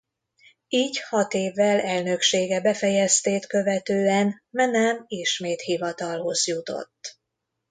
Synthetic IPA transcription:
iːɟhɒt̪eːvːɛlɛlnø̞kʃeːɡɛbɛfɛjɛst̪eːt̪køvɛt̪øːɛnmɛnɛmiʃmeːt̪hivɒt̪ɒlho̞zjut̪o̞̰t̪ː

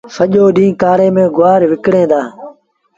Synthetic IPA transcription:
səʄoːɗĩːkaːɾeːmẽːɡʊaːɾʋɪkɽẽːd̪aː

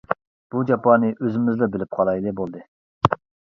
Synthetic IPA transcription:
b̥ud͡ʒɑpɑnɨʔøzɪmɪzlɛbɪlɪp̚qʰɑlˠɑjlˠɨbolˠd̪ɨ

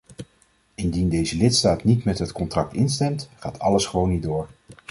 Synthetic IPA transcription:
ɪndindejzəlɪtstaːtnitmɛtɦətkɔntrɑk̚tɪnstɛmtχaːtʰɑləsχəʋownidʊːɹ

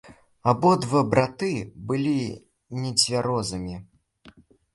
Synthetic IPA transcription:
abɔd̪vɐbɾat̪ɨbɨlʲi | nʲɛd͡zʲvʲaɾɔzɨmʲi

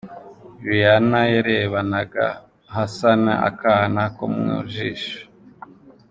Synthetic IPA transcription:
βijanajaɾeβanaɡa̰ | ɦasana̰a̰kahnako̰mŋṵʒiːʃo̥

